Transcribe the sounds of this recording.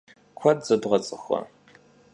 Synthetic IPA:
kʷʰɐdzɐdʁɐt͡sʼɨxɐ̰

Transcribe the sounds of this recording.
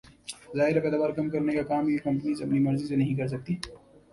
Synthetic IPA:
zaːɦɪɾapɛːd̪aːʋaːɾkɐmkɐɾnekakaːmjeːkɐ̃mpənizɐmnimɐɾzisenɐɦĩk̬ɐɾs̬ɐk̚t̪iː

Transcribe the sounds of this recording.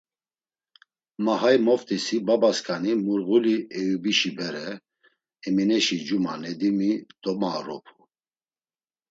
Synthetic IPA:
maɦajmɔft̪ʼisibabaskʰʼanimuɾɣuliɛjubiʃibɛɾɛ | ɛminɛʃid͡ʒumanɛd̪imid̪̥ɔmaɾɔ̰pʰu

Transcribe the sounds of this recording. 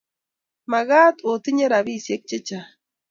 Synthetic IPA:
maɣaːt̪ot̪iɲaɾaβisjek̚t͡ʃet͡ʃa

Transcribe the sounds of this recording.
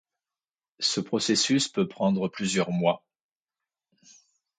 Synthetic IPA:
səpχɔsesyspøpχɑ̃d̪ʁəplyzjœʁmwa

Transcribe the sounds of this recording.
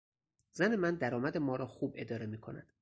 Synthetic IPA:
zæne̞mænd̪æɾɒːmæd̪emɒːɾɒːxuːbʔe̞d̪ɒːɾe̞miːkʰo̞̰næ̰d̪̥

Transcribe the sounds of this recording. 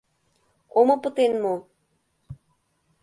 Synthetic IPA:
omɤ̆pə̆t̪enmo

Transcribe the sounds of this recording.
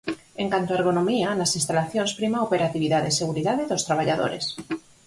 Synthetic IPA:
eŋkant̪oaɾɣ̞onomianasinst̪alaθjonspɾimaopeɾat̪iβiðaðeseɣ̞uɾiðaðeðost̪ɾaβ̞aʎaðo̰ɾes

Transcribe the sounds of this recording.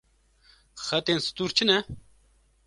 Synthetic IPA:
xɐt̪ensɨ̥t̪uːɾt͡ɕʰinɐ

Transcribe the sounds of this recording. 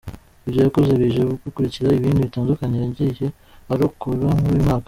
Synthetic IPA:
ibɟojakozeβiʒeβukikuɾiciɾaiβiːndiβitaːndukaɲejaɟije | aɾokoβaŋuɾuimaːkḁ

